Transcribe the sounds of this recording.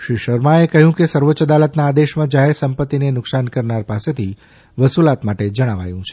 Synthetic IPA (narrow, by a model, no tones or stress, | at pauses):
ʃɾiʃəɾmaekəɦjũkesəɾʋoːt͡ʃəd̪alət̪naːd̪eʃmãd͡ʒaɦeɾsəmpət̪ːinenʊksankəɾnaɾpaset̪ʰi | ʋəsulat̪maʈed͡ʒəɽ̃aʋa̰jũt͡ʃʰe̥